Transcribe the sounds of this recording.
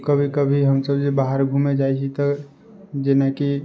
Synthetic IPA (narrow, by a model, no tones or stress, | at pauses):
kəbʱikəbʱiɦəmsəbsebaɦəɾɡʱumed͡ʒaːit͡ʃʰit̪ə | d͡ʒeneki